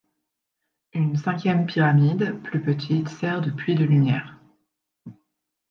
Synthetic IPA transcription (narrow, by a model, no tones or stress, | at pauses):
ynsɛ̃kʲjɛmpiʁamid̪plypət̪ʰit̪sɛʁd̪əpɥid̪əlymjɛːʁ